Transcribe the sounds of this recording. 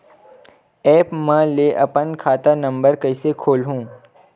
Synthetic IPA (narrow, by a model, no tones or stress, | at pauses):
ɛːpmɛ̃leʔɐpənkʰaːt̪anɐ̃mbəɾkɐɪsekʰoːlɦũː